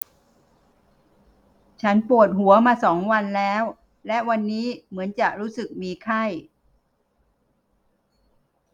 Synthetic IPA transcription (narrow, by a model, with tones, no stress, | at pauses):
t͡ɕʰa˦˥npu˨˩ət̪̚ɦu˨˩˦ɐmaː˧sɔː˩˦ŋwa˧nlɛː˦˥w | lɛ˦˥wa˧nːiː˦˥mɯ˩˦ənt͡ɕa˨˩ʔ̚ɾuː˦˥sɯ˨˩k̚miː˧kʰa˥˩j